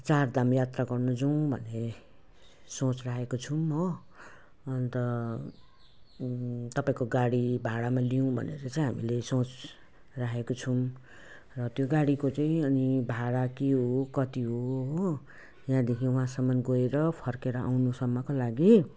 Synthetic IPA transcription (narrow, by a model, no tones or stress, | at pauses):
t͡sard̪amjat̪raɡʌrnud͡zʌw̃bʱʌne | sõt͡sraɦekot͡sʰumʌ | ʌnt̪ʌ | t̪ʌpaĩkoɡaɽibʱaɽamalijũbʱʌ̰neɾʌt͡saĩɦamilesõt͡s | raɦekot͡sʰum | rʌt̪joɡaɽikot͡saĩʌnibʱaɽakeɦokʌt̪iɦoɦ | jãd̪ekʰiwɦãsʌmːʌnɡoeɾʌpʰʌrkeɾʌa̰wnusʌmːʌkolaɡi